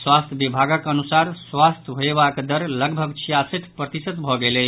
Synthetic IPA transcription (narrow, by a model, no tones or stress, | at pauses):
swast̪ʰjəbibʱaɡəkənusaɾswast̪ʰɦoebakd̪əɾləɡbʱəɡt͡ʃʰijasit̪ʰpɾət̪isət̪bʱɔɡelɛ